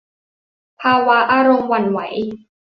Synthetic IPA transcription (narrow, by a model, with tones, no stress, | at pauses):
pʰaː˧wa˦˥ʔaː˧ɾo˧mwa˧˩nwa̰˩˦j